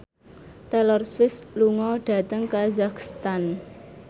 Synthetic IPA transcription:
t̪ɛlɔrsfɪsluŋɔɖ̥ä̤t̪əŋkazakst̪an

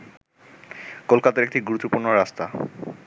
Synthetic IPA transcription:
kolkat̪aɾek̚ʈiɡuɾut̪ːopuɾnoɾast̪a

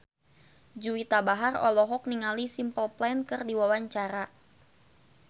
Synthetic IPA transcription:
d͡ʒuwit̪abaɦarɔ̰lɔɦɔk̚niŋalisimpəlplɛnkɨrdiwawaɲt͡ʃaɾa

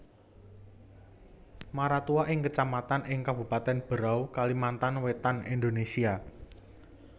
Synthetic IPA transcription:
maɾat̪uaʔɪŋkət͡ʃamat̪anɪŋkabṳpat̪ɛnb̥əɾawkalimant̪anwet̪anind̪onesia

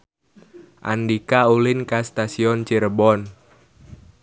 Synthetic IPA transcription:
ʔa̰ndikaulɪnkast̪asiɔnt͡ʃiɾbɔn

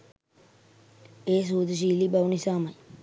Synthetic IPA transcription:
eːs̬uːd̪ʱʃ̬iːliːbaʋnisaːməj

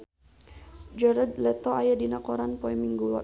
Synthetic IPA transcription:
d͡ʒɛɾəd̪lɛt̪ɔajadinakɔɾanpɔɛmiŋɡulɔ̰

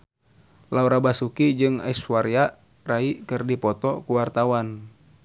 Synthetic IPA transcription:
lauɾabasukid͡ʒɨŋa̰isuwaɾia | raikɨrdipɔt̪ɔkuwart̪awan

